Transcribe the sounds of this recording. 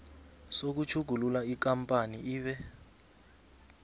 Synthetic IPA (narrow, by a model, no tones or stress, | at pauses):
sok̬ut͡ʃʰuɡ̥ʱululaik̬ampʼaniiːɓɛ